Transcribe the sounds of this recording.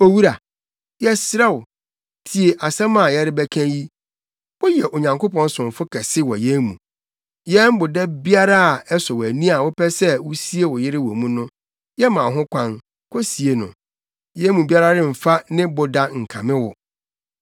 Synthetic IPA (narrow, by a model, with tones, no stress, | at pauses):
o˦wu˦ɾa˨ | jɛ˦sɾɛ˦˨wʊ˨ | tʰi˨e˨ʔa˨sɛ̃˦mã˨jɛ˦ɾɪ˦bɛ˦kʰæ̃˦ji˦ | wɔ˦jɛ˨ʔo˨ɲã˨ŋko˦pɔ̃˦n˦sʊ̃˨m˨fʊ˦kʰɛ˨sɪ˦wɔ˨jɛ˦mũ˨ | jɛ˦m̩˦bʊ˨dɛ˦bi˦a˦ɾa˦˨ɛ˦sɔ˨wæ˨nĩ˦a˨wʊ˦pʰɛ˦sɛ˦wʊ˦si˦e˦wʊ˨jɪ˦ɾɪ˦wɔ˨mũ˦nʊ̃˦ | jɛ˦mã˨ɦʊ̃˦kʷʰã˦n | kʰɔ˦si˨e˨nʊ̰̃˨ | jɛ˦mũ˨bi˦a˦ɾa˦dɪ˦m̩˨fa˦nɪ̃˦bʊ˨da˦ŋ̩˨kʰã˨mɪ̃˦wʊ˨